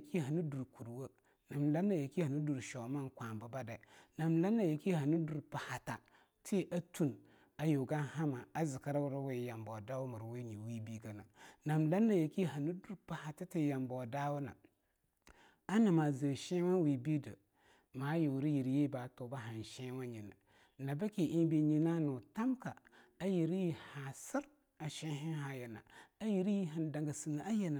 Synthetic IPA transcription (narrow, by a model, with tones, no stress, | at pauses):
ki˦ɦa˨ni˦du˨ɾku˨ɾwə˦ | na˨mla˦na˦˨je˨ki˦ha˨ni˦du˨ɾʃɔ˨˦ma˦ŋkʷa˨mba˦ba˦dɛ˨na˨mla˦nːa˨je˨ki˦ha˨ni˦du˨ɾpa˨ha˨ta˨ | tʰi˦ʔa˦tʰu˦n | a˨jo˨ɡa˦ha˦ma˨a˦zɪ˨ka˦ɾa˦wʊ˦ɾa˦we˨ja˨mbɔ˨da˦wʊ˦mə˨ɾwe˦ɲi˨wi˦bi˦ɡa˨na̰˨na˨mla˦nːa˦˨je˨ki˦ha˨ni˦du˨ɾpa˨ha˨ta˦ti˦ja˨mbɔ˨da˦wʊ˦na̰˨ | a˦na˨ma˨zə˨ʃɛ̃˦wa˦n˦wi˨bi˦də̰˨ | maː˨˦ji˨wɾi˦ji˨ɾje˦baː˨˦to˨ba˦ɦa˨n˨ʃɛ˦wa˦ɲi˨na̰˨ | na˨ba˦ki˨ʔi˦n˦bi˦ɲi˨na˦nu˨ta˦mka˨a˦ji˨ɾi˦ji˨ha˨sɪ˦ɾ | a˨ʃɛ̃˦ɦɪ˦ɦa˨jɛ˨na̰˨a˦ji˨ɾi˦ji˦ɦa˨n˨da˨ŋɡa˨si˨na˨a˦je˨na˨